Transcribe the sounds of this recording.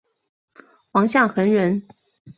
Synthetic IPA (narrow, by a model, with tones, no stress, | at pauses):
wɑ˧˥ŋɕjɑ˥˩ŋxə˧˥nɻə˧˥n